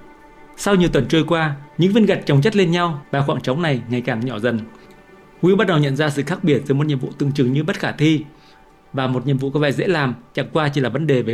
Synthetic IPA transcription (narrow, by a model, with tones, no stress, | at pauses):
sa˧wɲ˨˩əwt̪wə˨˩nt͡ɕəː˧jkwaː˧ɲɨ̰˧˥ŋvi˧ənɣa˨˩jk̚t͡ɕwŋ͡mt͡ɕə˦˥t̚le˧nɲa˧wɓaː˨˩xwa̰ː˧˨˩ŋt͡ɕɔ˨˦wŋ͡mna˨˩jŋa˨˩jkaː˨˩ŋɲɔ˧˩zə˨˩n | kwḭ˧˦˥ɓa˦˥t̚ɗə˨˩wɲə̰˧˨nzaː˧sɨ̰˧˨xaː˦˥k̚ɓi˧˩ət̚zɨː˨˦jm˨˩t̚ɲḭ˧˨vṵ˧˨t̪ɨ̰˧˨əŋt͡ɕɨ˨˩ŋɲɨ˧ɓə˦˥t̚xaː˧˩t̪ʰi˧ | vaː˨˩mo˨˩t̚ɲḭ˧˨mvṵ˧˨kɔ˨˦vɛ̰˧˨zḛ˧˥laː˨˩mt͡ɕa̰˧˩ŋkwaː˧t͡ɕi˧˩˨laː˨˩və˨˦nɗe˨˩veː˨˦